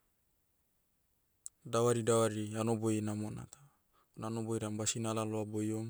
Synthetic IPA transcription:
dawaɾidawaɾianobojnamona̰t̪ḁ | onanobojɾambasinalaloabojom

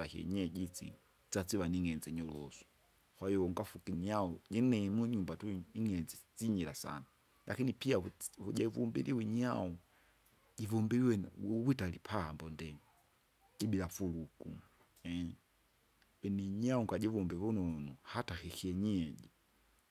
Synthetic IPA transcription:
ahiɛ̰ɲɛd͡ʒit͡sḭ | t͡sat͡siwaniŋɛnd͡ziɲɔlɔsɔ̥ | kwaiɔŋɡafukiɲaɔɟinɛmuɲumbatuiŋɛnd͡zit͡siɲilasa̰na | lʔakinipiahuɟaivumbḭliwiɲaɔ | ɟivumbiliwɛwitalipʰambɔndɛ̥ | iɓilafuluku | ɛ | ɛniɲaɔŋɡaʄivumbɛvunɔnɔhataxihiɛɲɛɟi

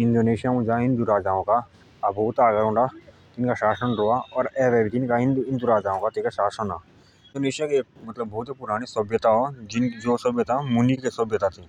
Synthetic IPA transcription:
ɪ̃nd̪oːneːʃijamʊ̃d͡ʒaɪ̃nd̪uɾaːd͡ʒaːõkaː | bʱoːt̪aːɡaɾõːɳɖa | t̪ɪnkaʃaːsənɾoːaɔːɾɛːʋɛːbit̪ɪnkaɪ̃nɪ̃nd̪uɾaːd͡ʒaːõkat̪ɪnkaʃaːsənaː | ɪ̃nd̪oːneːʃijakieːk̚mɐt̪ləbːɔːʊt̪epʊɾaːɽ̃isɐbjət̪aɦod͡ʒɪnd͡ʒoːsəbjət̪amʊnikesəbjət̪at̪ʰiː

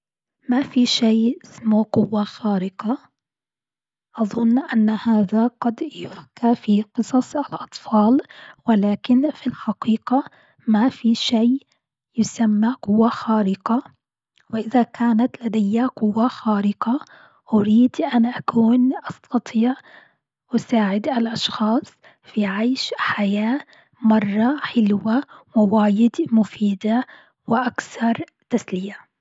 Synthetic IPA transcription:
mafiʃaːʔɪsmoqʊwːaxaːɾɪqɑ | ʔɑðˤʊnːʔanːhaːðaɡɑd̪jʊfkafiqɨsˤɑsˤɪlʔɑt̪ˤfɑːlwɪlaːkɪnfilħɑqiːqɑ | mafiʃaː | jʊsamːaqʊwːaxaːɾɪqɑ | wɪʔɪðakʰaːnat̪lad̪ajːaqʊwːaxaːɾɪqɑ | ʔʊɾiːd̪ʔanʔakuːnʔɑst̪ʰɑt̪ˤʰiːʕ | ʔʊsaːʕɪd̪ʔalʔɑʃxɑːsˤ | fiʕajʃħajaː | mɑrˤːɑħɪlwawɪwaːjɪd̪mʊfiːd̪a | wɪʔakθɑɾˤ | t̪aslɪja

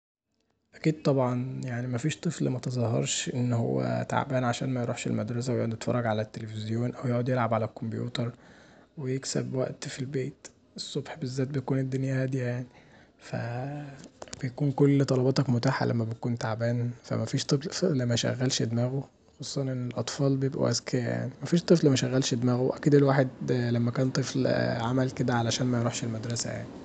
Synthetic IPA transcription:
ʔækiːd̪̚t̪ˤɑbʕɑnjaʕnimæfiːʃt̪ˤɨflmæt̪ezˤɑhɑ̰ɾˤʃʔenːho̰wːæ̰t̪a̰ʕbæːnʕaʃæ̰ːnmæjɾṵːħʃḛlmæd̪ɾˤɑs̬æwejoʕod̪jet̪fɑ̰rˤːɑɡʕalæt̪ːelefezjoːnʔæwjoʕod̪jelʕabʕalækombjṵːt̪ɑɾˤwejeksæ̰bwæʔt̪filbeːt̪ | ʔesˤːobħbezːæːt̪̚bejækuːned̪ːonjæhæd̪jjaʕni | fæ̰ | b̥ejækuːnkolːt̪ˤɑlɑbɑːt̪ɑkmot̪aːħa̰lʔæ̰mːæbejkuːnt̪aʕbæːnfæ̰mæfiːʃt̪ˤeflæmːæʃæ̰ɣːælʃed̪mæːɣo | xɑsˤuːsˤɑnʔenːelʔɑt̪ˤfɑːlbejebʔṵʔæ̰skejæja̰ʕnimæfiːʃt̪ˤɨflmæʃæɣːælʃed̪mæːɣowʔækiːd̪elwaːħed̪læmːækæːnt̪ˤeflʕamælked̪æʕalæʃæːnmæjɾuħʃelmæd̪ɾˤɑsæ̰ja̰ʕni

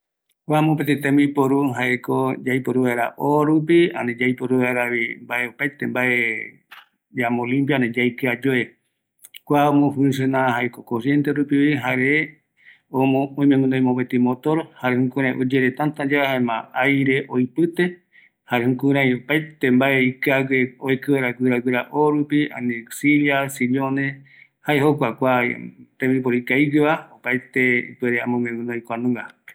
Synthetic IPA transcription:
kʷamõpet̪et̪ẽmipoɾuɦaekod͡ʒajpoɾuβaeɾa̰ʔoɾup̬iã̰ned͡ʒajpoɾuβaeɾaβimbaeopajt̪embaʔe | d͡ʒamõlĩmpjãned͡ʒajkɨad͡ʒoe | kʷaomõfuns̬enãhaekokosjent̪eɾupiβiɦae | omõõj̃mẽmũnd̪aj̃mõpet̪imot̪oɾohaɾehũkũɾ̃ãj̃ʔod͡ʒeɾet̪ant̪ãd͡ʒaahaemã̰ajɾeʔojpɨt̪e | haɾehũkuɾãj̃opajt̪embaeikaɡeojkɨwaɾakɨɾaɡɨɾaʔoɾupia̰nisiljasilonẽ | haeɦokʷakʷat̪ẽmbip̬oɾikaiɡɨβaopajt̪eḭpweɾeamõmẽmɨ̃noj̃kʷanũɡa

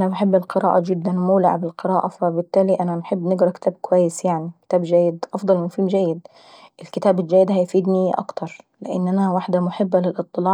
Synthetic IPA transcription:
ʔanabaħɪbːɪlqɨɾa̰ːʔad͡ʒɪd̪ːanmuːlɪ̰ʕbɪlqɨɾɑːʔafabɪt̪ːæːliʔananħɪbːnɪɡɾˤɑkɪ̥t̪aːb̚kʊwajːɪsjaʕnikt̪aːbd͡ʒæːjːɪd̪ʔɑfd̪ˤɑlmʊfiːmd͡ʒajːɪd̪ | ʔɪlkɪt̪aːbɪld͡ʒæːjːɪd̪hajfiːd̪niʔɑ̰kt̪ɑɾˤ | lɪʔɪ̰nːʔanawaħd̪amʊħɪbːalɪlʔɨt̪ˤːɨlɑːʕ

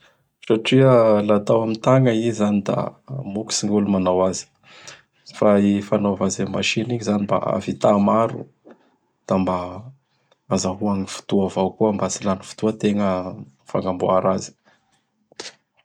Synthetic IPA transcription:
saʈ͡ʂialat̪awamit̪aŋəizanid̪a̰muki̥siŋɡulumanawazi̥ | faifanovazemaʃiniɲizanimba̰a̰vit̪amaɾṵ | d̪̥amba | azaɦuaŋifu̥t̪uavawkuambat͡silani̥fu̥t̪uət̪eŋə | fa̰ŋɡambuaɾazi̥

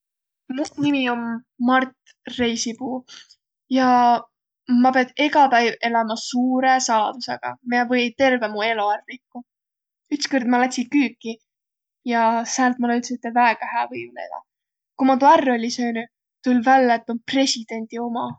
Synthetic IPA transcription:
munimiomː | ɑrt̪ | rejsipuː | jɑ | mɑpeɑd̪̥eɡɑpæjve̞lɑmɑsuːɾe̞sɑlɑ̰d̪̥use̞ɡ̥ɑ̰mievɤjt̪e̞rve̞mue̞loærikːu | yt̪skord̪̥mɑlæt̪sʲikyːkːˑi | jɑsæːlt̪̚muleylt̪set̪ːˑevæeɡ̥ɑhæːvɤjmlḛd̪ɑ̰ | kumɑt̪uɑrːo̞lʲisøːnu | t̪ulʲvælːeet̪ːˑonpre̞sʲid̪̥e̞nʲd̪io̞mɑ

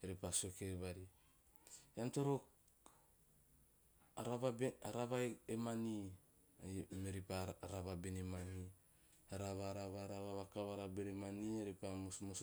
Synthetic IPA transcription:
eɾipasokeɾβaɾi | antoɾok | ɾaβabaɾaβaeemani | meɾipaɾaβabenemani | aɾaβaɾaβaɾaβaβakaβaɾabeɾemanieɾipammos

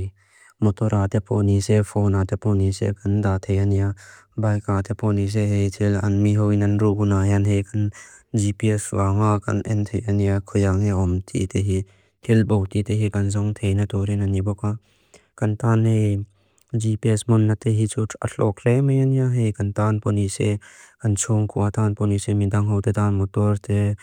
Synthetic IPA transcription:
mɔt̪ɔɾaːt̪ʰepʰonisefʰoːnaːt̪ʰeponisḛkɐnd̪aːt̪ʰejanija | bajkaːt̪ʰepʰonis̬eɦejt̪ʰilɐ̰nmiɦoinɐnɾuɡunaːjanɦejkɐnd͡ʒipieswaŋakɐ̰nʔḛnt̪ʰejɐnjakʰojaŋeɔmt̪ʰḭt̪ʰeɦi | t̪ʰilbowtitʰeɦikɐnzɔŋt̪ʰejnat̪ɔɾenanibɔka | kɐntanej | d͡ʒipiesmɔnːatʰeɦit͡ʃʰuɐ̰ɬʰɔkʰlemɐjanijaɦejkɐntanpɔnisekɐnt͡ʃʰuŋkʰuat̪ʰanpɔnisemid̪aŋɦowt̪ʰetanmɔtɔɾtʰe

